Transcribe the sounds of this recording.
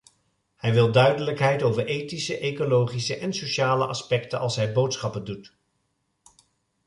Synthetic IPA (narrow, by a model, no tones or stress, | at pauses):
hɛjʋɪlˠdœɥdələkɦɛjtowvəɹʔejtisəʔejkolowχisəʔɛnsoʃaːləʔɑ̰spɛktənɑ̰lˠsɦɛjbowtsχɑpəndut